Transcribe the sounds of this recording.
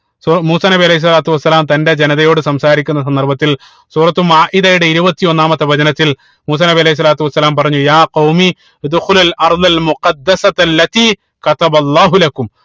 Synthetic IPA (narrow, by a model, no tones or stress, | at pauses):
suːmuːsaːnɐbiɐleɦis̬ːɐlaːt̪uʋɐsːɐlaːmt̪ɐnde̞d͡ʑenɐðɐjo̞ːɽɨsɐmsaːɾikʲːunːɐsɐnd̪ɐrbɐt̪ːil | suːrɐt̪ːumaːʔiðɐjuɽeiɾubɐt̪ːio̞nːaːmɐt̪ːɐʋɐd͡ʑɐnɐt̪ːil | muːsaːnɐbiɐlehis̬ːɐlaːt̪uʋɐsːɐlaːmpɐrɐɲːujaːqɐwmi | d̪uxulɐlʔɐrðɐlmuqɐd̪ːɐsɐt̪ɐlːɐt̪iː | kɐt̪ɐbɐlːaːɦulɐkum